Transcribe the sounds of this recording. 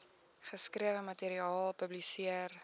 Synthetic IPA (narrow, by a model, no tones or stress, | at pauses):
χəskriəvəmɐteɾiɑːlˠpəblisiər